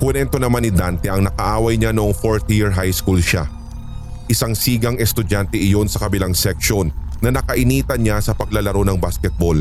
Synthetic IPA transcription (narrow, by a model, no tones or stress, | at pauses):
kʊnɛnt̪onɐmanːɪd̪ant̪ɛʔɐŋnɐkɐʔaːwɐjɲanoʔoŋfoɹt̪jɪɹɦajskulʃa̰ | ʔɪsaŋsiːɡɐŋɛst̪ʊd͡ʒant̪ɛʔɪjo̞nsɐkɐbɪlaŋsɛkʃo̞nːɐnɐkɐʔɪniːt̪ɐɲasɐpɐɡ̚lɐlɐɾo̞nɐŋbaskɛt̪̚bol